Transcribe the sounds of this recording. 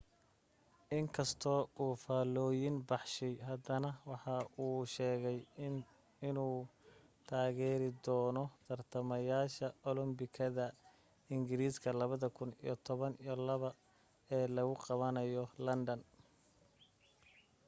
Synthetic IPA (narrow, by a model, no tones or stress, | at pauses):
ʔɪŋkʰɐst̪ʰɔːuːfaːlɔːjɪnbɑħʃɛjɦɐd̪ɐnɐwɑħɑʔuːʃɛːɣɛj | ɪnuːt̪ʰaːɣɛːɾɪd̪ɔːnɔt̪ʰɐrt̪ʰɐmɐjaːʃɐɔlɔmbɪkʰɐðɐ | ɪŋɡɪɾiːskʰɐlɐβɐðɐkʰʊnḭjɔt̪ʰɔβɐnijɔlɐβɐ | ɛːlɐɣʊqɑβɐnɐjɔlɐnd̪ɐn